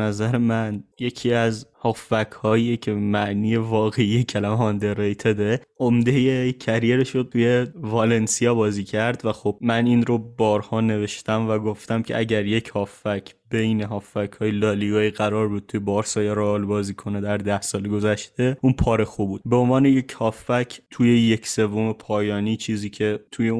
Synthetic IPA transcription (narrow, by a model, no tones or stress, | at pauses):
bnæzæɾe̞mænje̞cʰiːæzhɒːfːækʰhɒːijecʰe̞mæʔniːje̞vɒːɣe̞ijecʰælæmeɦɒnd̪eɾejt̪ʰed̪ɾeʔomd̪e̞jecʰæɾjeɾeʃod̪̚t̪ʰuje̞vɒle̞nsijɒːbɒːziːcʰæɾd̪væxob̚mæninɾobɒːɾhɒːne̞ve̞ʃt̪æmvæɡo̞ft̪æmcʲʰe̞̰ʔæɟæɾje̞cʰhɒːfːæcʰbe̞jneɦɒːfːæcʰhɒːjelɒːliɡɒːiɣæɾɒːɾbud̪̚t̪ʰujebɒːɾsɒjeɾɒlbɒːziːkʰo̞ned̪æɾd̪æhsɒːleɡo̞zæʃt̪e̞uːnpʰɒːɾexubuːd̪̥̚be̞o̞nvɒːneje̞cʰhɒːfæcʰt̪ʰuje̞jecʰse̞vːo̞me̞pʰɒːjɒːniːt͡ʃʰiːziːcʰe̞t̪ʰuje